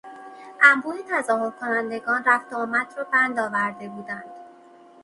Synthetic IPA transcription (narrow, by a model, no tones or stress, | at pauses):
ʔæmbuːnet̪ʰæzɒːho̞ɾkʰo̞nænd̪e̞ɡɒːnræft̪ɒːmæt̪ɾɒːbænd̪ɒːvæɾd̪e̞buːd̪ænd̪̥